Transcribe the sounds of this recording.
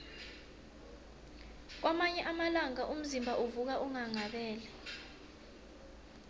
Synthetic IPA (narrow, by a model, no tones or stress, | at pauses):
k̬wamaɲɛʔamalaŋaʔum̩zimbʱaʔuvuk̬aʔuŋaŋaɓɛːlɛ